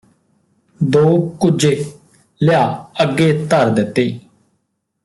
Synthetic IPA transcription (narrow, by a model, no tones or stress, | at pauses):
d̪oːkʊd͡ʒeː | lɪjaːəɡːeːt̪əɾd̪ɪt̪ːeː